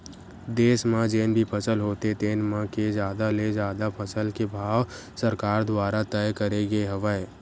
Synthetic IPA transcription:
d̪eːsmãd͡ʒeːnbʱipʰəsəlɦoːt̪et̪eːnmãked͡ʒjaːd̪aled͡ʒjaːd̪apʰəsəlkebʱaːʋ | səɾkaːɾd̪waːɾat̪ɛjkəɾeɡeɦɐʋəe

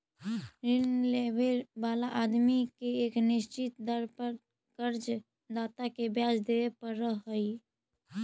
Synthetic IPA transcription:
ɾɪnleːbebaːlaʔaːd̪mikeeːknɪʃt͡ʃɪt̪d̪əɾpə | kəɾd͡ʒ | d̪aːt̪akebjaːd͡ʒd̪eːʋepəɾːəɦːəi

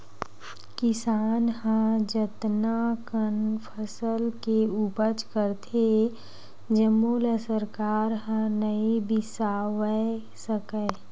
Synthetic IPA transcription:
kɪsaːnhãd͡ʒət̪nakənpʰəsəlkeubət͡ʃkəɾt̪ʰe | d͡ʒəmuːləsəɾkaːɾɦãnəibɪsaːwə | səkə

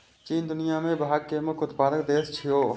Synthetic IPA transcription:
t͡ʃiːnd̪ʊnijamẽbʱaːɡkːemʊkʰʊt̪paːd̪əkd̪eːst͡ʃʰijoː

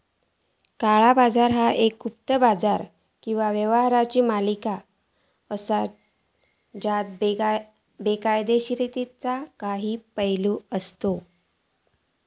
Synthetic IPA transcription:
kaɭabad͡zaɾɦaʔekup̚t̪əbad͡zaɾ | kĩw̃ʋaʋjəʋɦɾat͡ɕiːmalika | əsa | d͡ʑat̪̚ | bekajd̪eɕɾit̪it͡sakaɦiːpəjluəst̪o

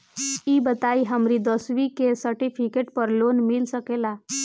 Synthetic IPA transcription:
ibət̪aiɦəmɾid̪ɔsʋikesəɾʈifʰikeʈpəɾlonmilsəkela

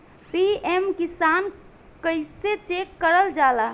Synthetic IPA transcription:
siemkisaːn | kəɪset͡ʃekːəɾəld͡ʒala

